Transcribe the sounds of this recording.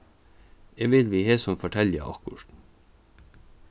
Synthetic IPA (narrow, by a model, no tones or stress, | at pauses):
eːʋɪlʋiːheːsɔmfɔʈʰɛlə̰ʔɑ̰kʊ̰ʃn̩